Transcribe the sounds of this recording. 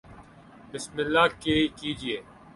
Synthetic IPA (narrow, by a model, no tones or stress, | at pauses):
bɪsmɪlːaːkeːkiːd͡ʒieː